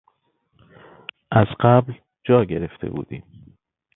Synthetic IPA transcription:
ʔæzɢæbl | d͡ʒɒːɟe̞ɾe̞ft̪ʰe̞̰bṵːd̪ḭːm

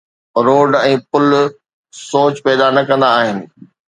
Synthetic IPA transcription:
ɾoːɖɛ̃ːpʊl | soːt͡ɕpɛːd̪anɐkɐ̃nd̪aːɦɪnɪ̆

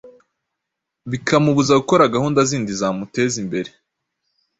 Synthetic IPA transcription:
βikʰamuβuzaɡuko̞ɾaɡahuːndaziːndizaːmute̞zimbe̞ɾe̞

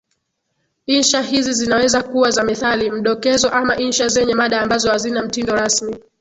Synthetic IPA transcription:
inʃaɦizizinawɛzakuwazamɛθalim̩ɗɔkɛzɔʔamaʔinʃazɛɲɛmaɗaːmbazɔhazinam̩tindɔɾasmi

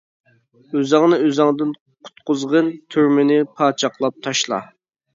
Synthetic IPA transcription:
øzɑŋnɨøzɑŋd̪ɨn | qʰʊ̥t̪qʊzʁənt̪ʰyɾmɪnɪpʰɑːt͡ʃʰɑqlˠɑp̚t̪ʰɑʃlˠɑ̰

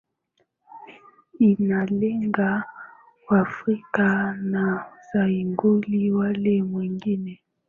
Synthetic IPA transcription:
inaleŋɡa | wafʁikanazaiŋɡoliwalemwiŋɡinɛ

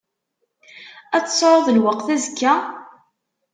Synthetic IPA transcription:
æt͡sːsˤːɾˤoðˤəlwəqθæzkːæ

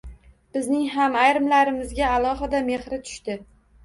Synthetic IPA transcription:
b̥ɪznɪŋɦamajɾɪmlaɾɪmɪzɡʲaːlˠɒɦɪd̪ame̞χɾɪt̪ʰʊ̥ʃt̪ɪ

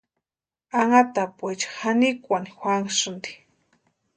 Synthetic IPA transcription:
aŋat̪apwet͡ʃḁxanikʷanixʷwʷaŋʂɨnd̪i̥

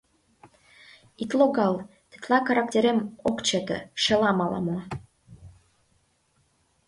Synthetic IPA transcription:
it̪loɡɑlt̪ɘ̥t̪lɑkɑɾɑk̚t̪ʲeɾemokt͡ɕet̪ə̰̆ʃĕlɑmɑlɑ̰mo

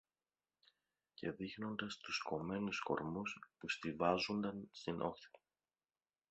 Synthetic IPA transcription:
ce̞ðixno̞nd̪ɐst̪usko̞me̞nusko̞̰ɾmuspust̪ivɐzond̪ɐnst̪inʔo̞̰xçɐ̥

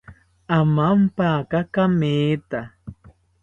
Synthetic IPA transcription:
amampakakameːt̪a

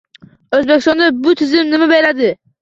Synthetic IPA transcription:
ɵzbekʲɪst̪ɒnd̪abʊt̪ʰɪzɪmnɪmabejlad̪ɪ

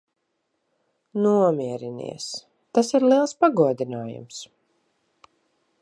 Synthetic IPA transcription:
nuɔmiɛɾinḭɛs | t̪asiɾliɛlˠspaɡuɔd̪inaːjṵms

